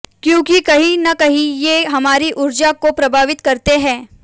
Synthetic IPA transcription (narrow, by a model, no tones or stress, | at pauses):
kjõːkikɐɦĩnɐkɐɦĩjeɦɐmaːɾiʔʊɾd͡ʒakopɾɐbʱaːʋɪt̪kɐɾt̪eɦɛ̃ː